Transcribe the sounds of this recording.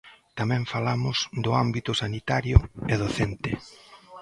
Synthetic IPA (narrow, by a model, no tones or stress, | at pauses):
t̪amɛ̃ɱfalamʊzd̪ʊambit̪ʊsanit̪aɾjʊeðoθent̪ɪ